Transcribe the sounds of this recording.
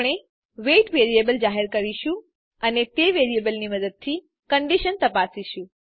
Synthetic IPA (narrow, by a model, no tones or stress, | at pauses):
ɽ̃e | ʋeʈʋeɾiebəld͡ʒaɦeɾkəɾiʃũ | ənet̪eʋeɾiebəlniməd̪əd̪̚t̪ʰi | kəɳɖiʃənt̪əpasiʃũ